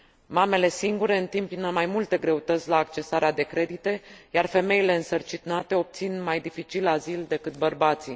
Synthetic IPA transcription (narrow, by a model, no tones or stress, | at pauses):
mame̞le̞siŋɡuɾe̞ɨnt̪impinəmajmult̪e̞ɡɾe̞ut̪ət̪sʲlaːkt͡ʃe̞saɾead̪e̞kɾe̞d̪it̪e̞jarfe̞me̞ile̞ɨnsərt͡ʃinat̪e̞o̞p̚t̪sinmajd̪ifit͡ʃilazild̪e̞kɨt̪̚bərbat̪si